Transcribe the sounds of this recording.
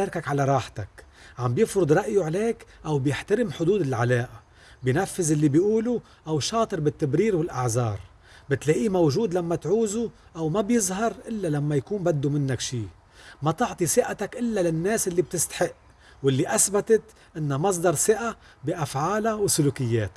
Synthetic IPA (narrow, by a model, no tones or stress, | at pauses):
ɑɾkakʕalaɾˤɑːħt̪akʕambjɪfɾʊd̪ˤɾˤɑʔjuʕleːkʔawbjɪħt̪aɾɪmħʊd̪uːd̪ɪlʕalaːʔa | bjnafːɪzʔɪlːibjʔuːlu | ʔawʃɑːt̪ˤɨɾbɪt̪ːabɾiːɾwɪlʔaʕzɑːɾˤ | bɪt̪laʔimawʒuːd̪lamːat̪ʕuːzuʔawmabjɪzɦɑɾˤʔɪlːalamːajakuːmbad̪ːumɪnːakʃiː | mat̪ɪʕt̪ˤisɪʔat̪akʔɪlːalɪnːeːsʔɪlːib̚t̪ɪst̪ḁħɪʔ | wɪlːiʔasbat̪at̪ | ʔɪnːamɑs̬ˤd̪ɑɾˤsɪʔa | biʔafʕaːlawsʊluːkɪjːeːt̪